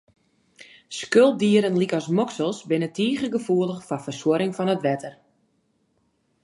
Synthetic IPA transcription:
skøl̚ˠdiəɾənlikɔsmoksəlˠsbɪnətiːɣəɡəfuəlˠəxfɔfərswʊɾɪŋfɔnətʋɛtər

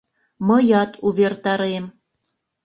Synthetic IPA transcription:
mɤ̆jɑt̪uβert̪ɑɾem

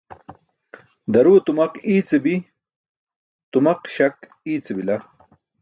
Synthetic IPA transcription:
d̪ɐɾut̪umɐqiːt͡sebi | t̪umɐqɕɐk | iːt͡sebilɐ

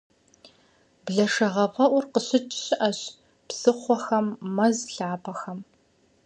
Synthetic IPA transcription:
bɮɐʂɐʁɐpɐʔʷʊrqəɕɪt͡ʃʼɕɪʔɐɕ | psɨχʷɔxɐmːɐzɬaːpʰɐxɐm

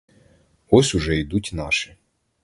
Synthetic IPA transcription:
ɔsʲʊʒɛid̪utʲnɑʃɪ̥

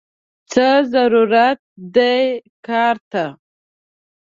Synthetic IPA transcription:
t͡səzaɾuɾat̪̚d̪ajkɑɾt̪a

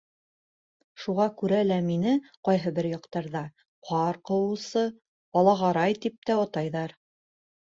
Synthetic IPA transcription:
ʃuʁɑkʉɾælæminɘqɑjɦɤbɘɾjɑqt̪ɑɾðɑ | qʰɑɾqɤ̆wɤ̆wsɤ | bɑlˠɑʁɑɾɑjt̪ip̚t̪æot̪ɑjðɑɾ

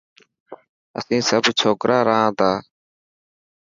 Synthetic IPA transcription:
ə̰sĩːsəbt͡ʃʰoːkɾʔaːɾaãːd̪aː

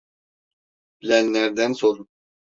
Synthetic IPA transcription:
b̥ilʲænːæɾd̪ænsoɾu

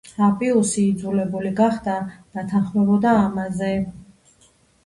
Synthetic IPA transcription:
apʼiusiːd̪zulɛbuliɡaχd̪ad̪̥at̪ʰanχmɛbɔd̪aːmazɛ

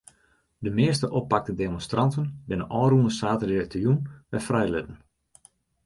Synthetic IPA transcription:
dəmɪəstəʔɔpːak̚tədemɔnstrʔɑntənbɪnənʔɔːrunəsaːtədirɛk̚tərjunʋɛ̰frɛjlɪtən̩

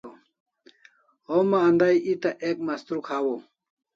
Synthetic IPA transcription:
o | omaːnd̪ajit̪aʔek̚mɐst̪ɾukʰaːwo

